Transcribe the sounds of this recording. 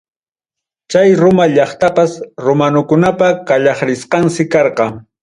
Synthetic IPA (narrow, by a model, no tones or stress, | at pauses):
t͡ʃajɾʊmaʎɑχt̪apasɾomanʊkʊnapakaʎɑχɾɪsqɑnsɪkɑɾqɑŋ